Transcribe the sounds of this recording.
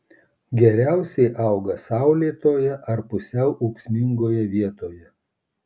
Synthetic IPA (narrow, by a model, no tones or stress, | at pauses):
ɡʲɛɾʲæˑʊsʲɛɪʔɐˑʊɡɐsɑˑʊlʲiːt̪oːjɛʔɐɾpʊsʲɛʊʔɐʊksʲmʲɪŋɡoːjɛʋʲiɛt̪oːjɛ